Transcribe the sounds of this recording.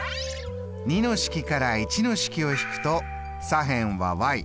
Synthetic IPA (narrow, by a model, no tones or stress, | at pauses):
ɲ̟ʲino̞ɕi̥kʲikaɾait͡ɕino̞ɕi̥kʲio̞çi̥kɯ̟̥t̪o̞ | saɦẽɰ̃βa̰βai